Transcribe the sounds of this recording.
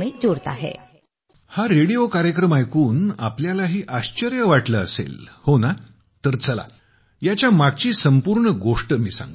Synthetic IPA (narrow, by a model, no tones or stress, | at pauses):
miːd͡zoɾt̪a̰ɦḛ | haɾeɽijokaɾjəkɾəmajkuːna̰pljalaɦiːʔaɕt͡ɕəɾjəʋaʈləːsḛlhona | t̪əɾt͡səla̰ | jat͡ɕjamaɡ̚t͡ɕiːsəmpuːɾɳəɡoʂʈəmiːsa̰ŋɡ